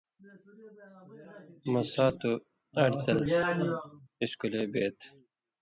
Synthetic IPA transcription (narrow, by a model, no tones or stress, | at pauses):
mɐsaːt̪u | ɐɽt̪ɐl | iskulebeːt̪